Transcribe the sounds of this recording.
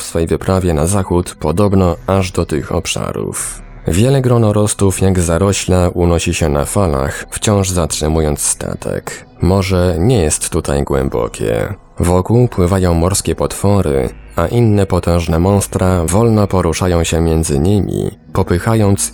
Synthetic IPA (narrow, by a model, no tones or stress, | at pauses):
fsfɛjvɘpɾavʲjɛnazaxut̪pɔd̪ɔbnɔaʐd̪ɔt̪ɘxɔ̰pʂa̰ɾṵf | vʲjɛlɛɡɾɔnɔɾɔst̪ufjaɡzaɾɔɕlaʔunɔɕiɕɛna̰fala̰xft͡ɕɔ̃w̃ʐzatʂɛmujɔnt̪sst̪a̰t̪ʰɛ̰k | mɔʐɛɲɛjɛst̪ːut̪ʰajɡwɛ̰mbɔ̰kʲʰɛ̰ | vɔkuwpwɘvajɔ̃w̃mɔɾskʲɛpɔt̪fɔɾɘ̰aʔinːɛpɔt̪ɛ̃w̃ʐnɛmɔ̃st̪ɾavɔlnɔpɔɾuʂajɔ̃w̃ɕɛmʲjɛnd̪zɘɲimʲḭ | pɔpɘxajɔnt̪s